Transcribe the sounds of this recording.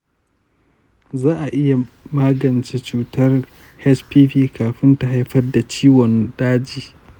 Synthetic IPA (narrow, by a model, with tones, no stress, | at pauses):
zaː˦ʔa˨ʔɪ˦ja˨ | maː˦ɡɐ˨nt͡ʃe˦t͡ʃuː˦tʰɐ˦r | hɛ˦t͡ʃpiː˦ɸiː˦kʰaː˨ɸɪ˦nta˦ɦa˦jɸɐ˦rda˨t͡ʃiː˦wɔ˨nɗaː˦d͡ʒiː˨